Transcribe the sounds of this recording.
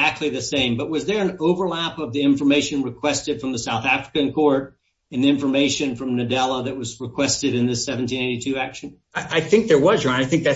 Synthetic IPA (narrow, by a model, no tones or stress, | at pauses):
æk̚tʰˡliðɨsẽɪ̃mbʌt̚wʌzðə˞ɨ̃noʊvə˞læpʌvðiɪ̃ɱfə˞meɪʃɨ̃nɹɨkʰw̥ɛstɨd̥fɹʌ̃mðɨsaʊθæfɹəkɨ̃nkʰɔɹɾ | ɨ̃nðiɪ̃ɱfə˞meɪʃɨ̃nfɹʌ̃mnɨdɛlˠəðɨt̚wʌzɹɨkʰw̥ɛstɨɾɨ̃nðɪsɛṽn̩tĩneɪɾitʰʉækʃɨ̃n | ɪʔaɪθɪ̃ŋk̚ðə˞wʌzɹʌ̃naɪθɪ̃ŋk̚ðæ